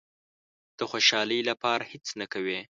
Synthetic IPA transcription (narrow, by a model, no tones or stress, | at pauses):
d̪̥əxoʃɑləjlapɑɾahet͡snakawe